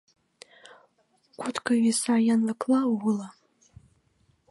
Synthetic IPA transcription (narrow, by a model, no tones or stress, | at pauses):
kʰʷʊtʰkʰaɥisajanlakʰlawʊla